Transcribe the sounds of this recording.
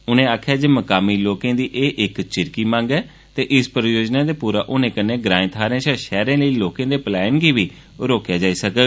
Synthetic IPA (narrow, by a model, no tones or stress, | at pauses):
ʊnẽːaːkʰjaːd͡ʒeːməkaːmiːloːkẽːd̪iːʔeːʔɪkt͡ʃɪɾkiːmãːŋɡɛː | t̪eːʔɪspɾəjoːd͡ʒnaːd̪eːpuːɾa̰ːʔʊnẽːkənːẽːɡɾãːĩt̪ʰaːɾẽːʃaːʃɛːɾẽːləiːloːkãːd̪eːplɛːnɡiːʋiː | ɾoːkjaːd͡ʒaːiːsək